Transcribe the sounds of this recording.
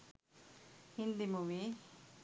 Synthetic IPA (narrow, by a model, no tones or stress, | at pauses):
hind̪imuʋi